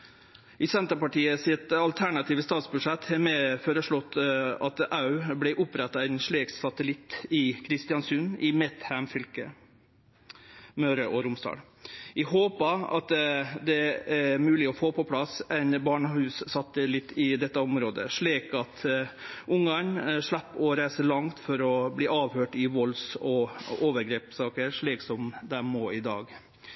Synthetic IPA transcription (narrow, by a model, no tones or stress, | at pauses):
ʔɪsɛnt̪əpɑʈiːəsɪt̪ɑlt̪ʰæɳɑt̪ʰiːʋəst̪ɑːt̪sbʉʂɛt̪ːhɛɾmɛfoːɾəʂɭɔt̪ːɑt̪ɑʉblɛʔʊpːɾɛt̪ːɑæɪnʂɭiːksɑt̪əlɪt̪ːɪkʰɾɪst̪ɪɑnsʉnɪmɛt̪hæmfʏlkə̰ | møːɾəʔɔɾʊmsd̪ɑ̰ːl | ɪɦoːpəɑ̰t̪d̪ɛæmʉːlɪɔfoːpʰɔpʰlɑsɛɪnbɑːɳəhʉːssɑt̪ːəlɪt̪ːɪd̪ɛt̪ːəɔmɾoːd̪ə̰ʂɭiːkɑt̪ʔʊŋɡɑnʂlæpːɔɾæɪsəlɑŋt̪fɔɾɔbliːɑːʋhøːʈɪʋɔlsɔoːʋəɾɡɾeːpsɑːkəɾʂɭiːksɔmd̪æmoːɪd̪ɑ̰ːɡ